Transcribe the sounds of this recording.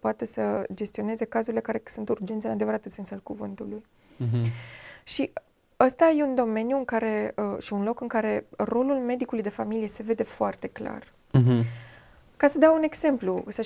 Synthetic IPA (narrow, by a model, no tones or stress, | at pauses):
poat̪e̞səd͡ʒe̞st̪io̞ne̞ze̞kazuɾile̞kaɾe̞sunt̪urd͡ʒent̪senad̪e̞vəɾat̪usensalkuvɨnt̪uluj | ʃi | əst̪aje̞und̪o̞me̞njuɨŋkaɾe̞əʃiunlo̞kɨŋkaɾe̞ro̞lulme̞d̪ikulujd̪e̞familije̞se̞ve̞d̪e̞foart̪e̞kla̰r | kasəd̪eaune̞ɡze̞mplusə